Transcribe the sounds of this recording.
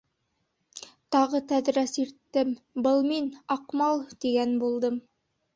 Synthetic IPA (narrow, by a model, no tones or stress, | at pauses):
t̪ɑʁɤt̪æðɾæsiɾt̪ːɘm | bɤlˠminɑqmɑlˠt̪iɡænbulˠd̪ɤm